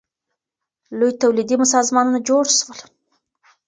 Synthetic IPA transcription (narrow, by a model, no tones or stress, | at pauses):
lujt̪awlid̪imʊs̬ɑzmɑnunad͡ʒoɾswəl